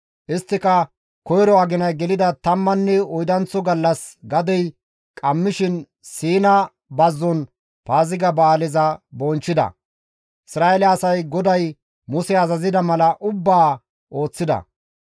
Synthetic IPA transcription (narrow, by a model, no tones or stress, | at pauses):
ʔɪst̪ːɪkɐ | kɔjɾɔɐɡɪnɐjɡɛlɪd̪ɐt̪ɐmːɐnːɛɔjd̪ɐnt͡sːɔɡɐlːɐsɡɐd̪ɛj | kʼɐmːɪʃɪn | siːnɐ | bɐzːɔn | paːzɪɡɐbaːlɪzɐbɔnt͡ʃːɪd̪ɐ̰ | ʔɪsɾaːʔɛlɛɐsɐjɡɔd̪ɐj | mʊsɛɐzɐzɪd̪ɐmɐlɐʔʊbːaː | ʔo̞ːt͡sːɪd̪ɐ̰